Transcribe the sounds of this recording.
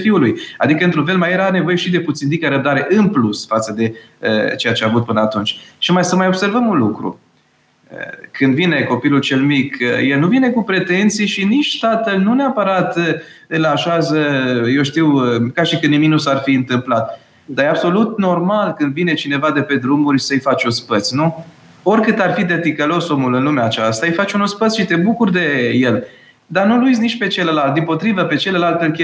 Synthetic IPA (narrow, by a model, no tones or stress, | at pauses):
fiuluja̰d̪ikəɨnt̪ɾunfe̞lmajeɾane̞voje̞ʃid̪e̞put̪sind̪ikaɾəb̚d̪aɾe̞ʔɨnplusfat̪səd̪e̞ | ə̰t͡ʃe̞jat͡ʃeavut̪̚pɨnəat̪unt͡ʃʲʃimajsəmajo̞b̥se̞rvəmunlukɾṵ | ə̰kɨnd̪vine̞ko̞pilult͡ʃe̞lmikəjelnuvine̞kupɾe̞t̪e̞nt̪sijʃinit͡ʃt̪at̪əlnuneapəɾat̪ə | ɨnlaʃazəjewʃt̪iwkaʃikɨniminusarfiɨnt̪ɨmplat̪̚ | d̪ajeabso̞lut̪no̞rmalkɨnd̪vine̞t͡ʃine̞vad̪e̞pe̞d̪ɾumurʲsəjfat͡ʃospət̪sʲnu | o̞rkɨt̪arfid̪e̞t̪ikəlo̞somulɨnlumeat͡ʃast̪aɨjfat͡ʃunospət̪sʲʃit̪e̞bukurd̪e̞je̞l | d̪anulujz̬ʲnit͡ʃʲpe̞t͡ʃelelalt̪̚d̪impo̞t̪ɾivəpe̞t͡ʃe̞lelalt̪ɨlkʲe